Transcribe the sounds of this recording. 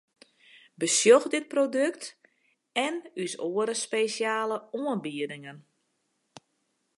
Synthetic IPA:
bəsjoxdɪt̚prodøk̚t | ɛnysoəɾəspesjaːləoənbiədɪŋən

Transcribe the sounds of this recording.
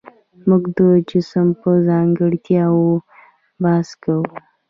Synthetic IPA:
muɡd̪əd͡ʒɪsəmpəzɑŋɡəɽt̪jɑwo | bɑskawu

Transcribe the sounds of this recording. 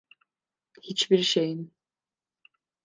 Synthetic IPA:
hit͡ʃbiɾʃejin

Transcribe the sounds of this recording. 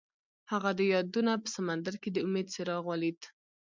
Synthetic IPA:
haɣad̪əjɑd̪unapə̥samand̪aɾked̪əʊmed̪seɾɑɣwɑlid̪

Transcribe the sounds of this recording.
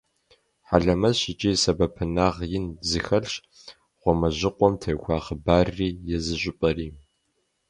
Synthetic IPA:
ħaɮɐmɐzɕɪt͡ʃʼiːsɐbɐpʰɨnaːʁjɪnzɨxɐɬɕ | ʁʷɔmɐʑɪqʷʼɔmtʰɐjkʷʰɑːχəbaːrːiːjɛzɨɕʷʼɪpʼɐriː

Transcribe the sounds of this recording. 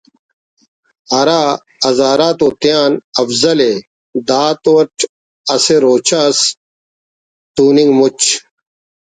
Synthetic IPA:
ɐɾaː | ɐzaːɾaːt̪oːt̪jaːnɐfzɐle | d̪aːt̪oɐʈʰ | ɐseɾoːt͡ɕʰas | t̪uːniŋɡmut͡ɕ

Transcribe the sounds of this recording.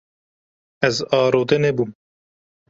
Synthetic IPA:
ɛzɑːɾoːd̪ɛnebum

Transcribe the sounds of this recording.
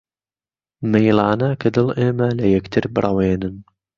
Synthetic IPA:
mejlɑːnɐkʰɐd̪ɨleːmɐlɐjɐkt̪ʰɨɾbɨɾˤʔɐweːnɨn

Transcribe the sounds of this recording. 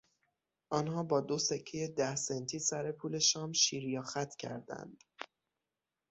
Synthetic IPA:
ʔɒːnhɒːbɒːd̪osecʰːejed̪æhsent̪ʰiːsæɾe̞pʰuːle̞ʃɒːmʃiːɾjɒːxæt̪ʰcʰæ̰ɾd̪æ̰nd̪̥

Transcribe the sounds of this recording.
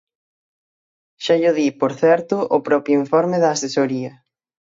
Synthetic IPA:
ʃaʎʊðipoɾθɛɾt̪ʊʔʊpɾɔpɾjoiɱfɔɾmɪðɐːsesoɾiɐ

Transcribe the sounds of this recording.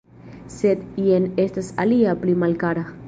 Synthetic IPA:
set̪ienest̪asaliaplimalkaɾa

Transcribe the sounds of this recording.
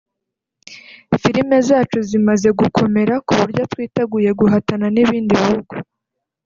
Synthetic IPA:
fiɾime̞zaːt͡ʃuzimaze̞ɡukʰo̞me̞ɾakuβuɾjotwiːteɡuje̞ɡuɦatananiβiːndiβihuɡu

